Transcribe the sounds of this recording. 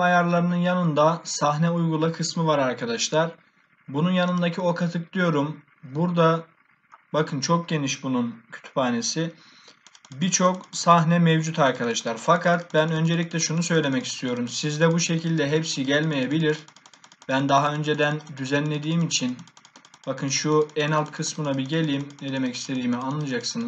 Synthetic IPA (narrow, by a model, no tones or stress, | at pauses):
ajaɾlˠaɾɯnɯnjanɯnd̪asaɦnɛujɡulˠakʰɯsmɯvaɾaɾkʰad̪aʃlˠaɾ | bununjanɯnd̪acʰio̞kʰat̪ʰɯk̚d̪ijo̞ɾum | buɾd̪a | bakʰɯnt͡ʃʰo̞k̚ɟe̞niʃbununcʰy̥t̪ʰy̥paːne̞si | biɾt͡ʃʰo̞ksaɦnɛmevd͡ʒut̪ʰaɾkʰad̪aʃlˠaɾfakʰat̪̚bænø̞nd͡ʒe̞lʲicʲlʲɛʃunusø̞jlʲe̞mɛci̥st̪ʰijo̞ɾumsizd̪ɛbuʃe̞cʰilʲd̪ɛɦepsiɟælʲmejebilʲiɾb̥ænd̪aɦaø̞nd͡ʒe̞d̪ænd̪yzænlʲe̞d̪iːmit͡ʃʰinbakʰɯnʃuɛnalˠt̪kʰɯsmɯnabiɟe̞lʲiːmned̪e̞mɛcist̪ʰe̞d̪iːmianlˠad͡ʒaksɯnɯz̥